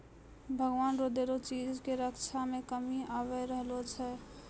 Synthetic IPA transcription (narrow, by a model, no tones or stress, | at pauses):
bʱəɡʋanɾod̪eɾot͡ʃid͡ʒkeɾəkt͡ʃʰamekəmiaβɛɾəɦlot͡ʃʰɛ